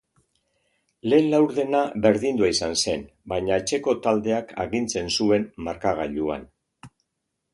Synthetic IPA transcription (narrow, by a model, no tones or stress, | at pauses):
le̞ːnlawɾðe̞naβe̞ɾðind̪uaisanse̞n | baɲaet͡ʃe̞ko̞t̪ald̪e̞akʰa̰ɣint͡se̞nsue̞mmaɾkaɣa̰ʎua̰n